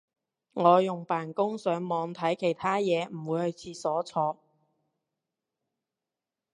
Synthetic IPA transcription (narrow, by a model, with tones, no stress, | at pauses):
ŋɔː˨˧jʊ˨ŋpaː˨˩nkʊ˥ŋsœː˨˥ŋmɔː˨˧ŋt̪ʰɐ˨˥jkʰe˨˩jt̪ʰaː˥jɛː˨˧m̩˨˩wuː˨˧jhɵ˨˧ɥt͡sʰiː˧sɔː˨˥t͡sʰɔː˧